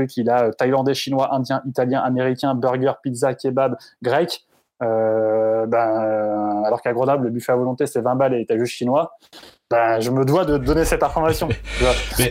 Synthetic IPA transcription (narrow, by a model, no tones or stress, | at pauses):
ikʲilaøt̪ajlɑ̃d̪eʃinwaʔɛ̃d̪jɛ̃ʔit̪aljɛ̃ʔameʁikʲɛ̃bœʁɡʲœʁpilzakʲebad̪ɡʁɛk | ø | bɛ̃ | alɔʁkaɡʁənɔbləbyfavɔlɔ̃t̪esɛvɛ̃balet̪aʒyʃinwa | bãʒəməd̪wad̪əd̪ɔnesɛt̪ɛ̃fɔʁmasjɔ̃t̪ya